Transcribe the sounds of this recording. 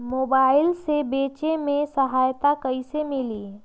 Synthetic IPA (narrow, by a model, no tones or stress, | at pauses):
mobailsebet͡ʃemesəɦajt̪akəɪsemili